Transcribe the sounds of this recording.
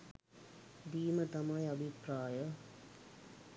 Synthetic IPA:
b̪iːmət̪ɐmajɐbʱipɾaːjə

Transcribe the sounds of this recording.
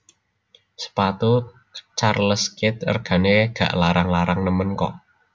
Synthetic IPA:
sə̥pat̪u | t͡ʃarləskɪt̪̚ə̰rɡ̥a̤neɡ̥ä̤̰ʔlaɾaŋlaɾaŋnəmənkɔ̰

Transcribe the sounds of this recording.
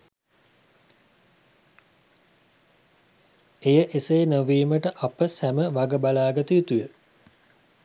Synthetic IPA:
ejəʔesejːnəʋiːməʈəʔapəsæməʋaɡəbalaːɡət̪uit̪ujə

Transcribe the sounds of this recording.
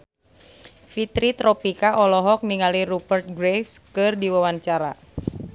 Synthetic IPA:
fit̪ɾit̪ɾɔpikaʔɔlɔɦɔk̚niŋaliɾupərt̪̚ɡɾefskɨrdiwawaɲt͡ʃaɾa̰

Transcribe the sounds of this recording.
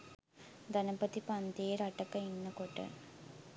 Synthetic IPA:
d̪ɐnɐpːɐt̪ːipɐnd̪ejɾɐʈːɐkːɐinːɐkoʈːɨ̰

